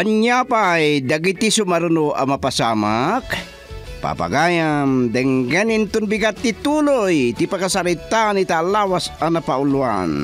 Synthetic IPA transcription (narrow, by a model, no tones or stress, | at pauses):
aɲapajdaɡit̪isumaɾunua̰mapasamak | pa̰pa̰ɡajamdɛŋɡɛnint̪unbiɡat̪ːit̪ulojt̪ipakasaɾit̪aːnit̪alawasanapaulua̰n